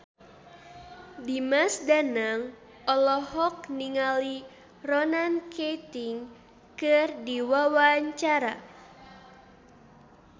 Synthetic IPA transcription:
dimasdanaŋ | ʔɔlɔhɔk̚niŋali | rɔnankʰet̪iŋ | kɨrdiwawaɲt͡ʃaɾa

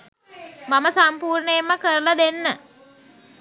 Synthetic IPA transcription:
maməsampuːɾɳəjemːəkəɾəlad̪enːə

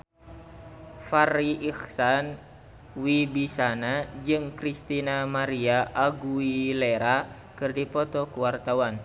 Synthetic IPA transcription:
fariʔixsan | wibisanad͡ʒɨŋkɾist̪inamaɾiaʔaɡuileɾa | kɨrdipɔt̪ɔkuwart̪awan

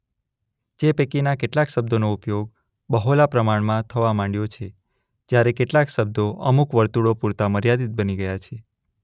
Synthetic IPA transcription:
d͡ʒepekinakeʈlakʃəb̚d̪onoupjoɡ | bəɦolapɾəmaɳmãt̪ʰəʋamãɳɖjot͡ʃʰe | d͡ʒjaɾekeʈlakʃəb̚d̪oʔə̰mukʋəɾt̪uɽopuɾt̪aməɾjad̪it̪̚bəniɡəjat͡ʃʰe

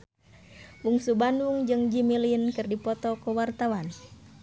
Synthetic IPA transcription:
uŋsubanduŋd͡ʒɨŋd͡ʒimilinkɨrdipɔt̪ɔkɔwart̪awan

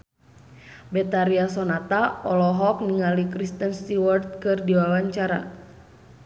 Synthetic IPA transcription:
bɛt̪aɾiasɔnat̪aɔlɔɦɔk̚niŋalikɾist̪ənst̪iwɔrt̪̚kɨrdiwawaɲt͡ʃaɾa̰

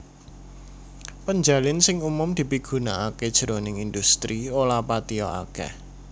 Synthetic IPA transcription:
pəɲd͡ʒa̤lɪnsɪŋumʊmd̪̥i̤piɡ̥ṳnaaked̥ʒ̥əɾonɪŋind̪ust̪ɾiolapat̪iɔ̰a̰kɛ̰h

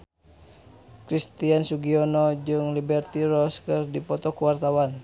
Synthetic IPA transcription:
kɾist̪iansuɡiɔnɔd͡ʒɨŋlibɛrt̪iɾɔskɨrdipɔt̪ɔkuwart̪awan

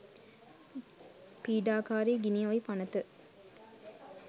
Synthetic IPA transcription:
piːɖaːkaːɾeːɡiniʋɐipɐnɐt̪ə

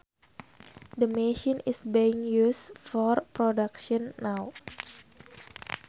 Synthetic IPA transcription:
dəmeʃinisbiiŋjusfɔrpɾɔdakʃɔnːaw

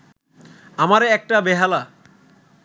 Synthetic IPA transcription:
amaɾɛk̚ʈabeɦala

